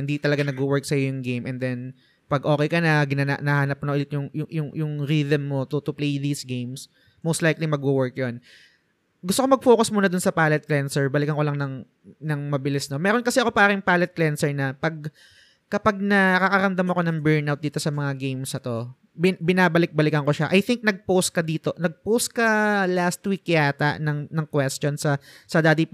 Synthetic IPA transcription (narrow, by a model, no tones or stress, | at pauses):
ɪnd̪it̪ɐlɐɡanɐɡ̚uwɛɹk̚sɐjojʊŋɡejmʔɛnd̪ɛn | pɐɡʔo̞ːkɛjkɐnɐɡɪnaːna̰nɐhaːnɐp̚kʊnɐʔʊlɪt̪jʊŋjʊjʊŋjʊŋɾiːd̪ɐmːo̞t̪ʊt̪ʊplejðiːsɡejms | mowst̪lajklimɐɡ̚uwɛɹk̚jon | ɡʊst̪okomɐɡ̚foːkɐsmʊnɐd̪ʊnsɐpaːlɛt̪̚klɛnsɛɹbɐlɪkɐnŋko̞lɐŋnɐŋ | nɐŋmɐbɪlɪsno̞mɛːɾonkɐsɛɐko̞paːɾɐŋpaːlɛt̪̚klɛnsɛɹnɐpɐɡ̚ | kɐpaɡ̚nɐkɐkɐɾɐmd̪ɐmɐko̞nɐŋbɛɹnʔawt̪̚d̪iːt̪o̞sɐmɐŋaɡejmsɐt̪o̞ | bɪbɪnaːbɐlɪk̚bɐlɪkɐnkoʃaʔɐjθɪŋk̚nɐɡ̚powst̪̚kɐd̪iːt̪o̞nɐɡ̚powst̪̚kɐlast̪wikːɪaːt̪a̰ʔnɐŋnɐŋkwɛst̪onsɐsɐd̪aːd̪i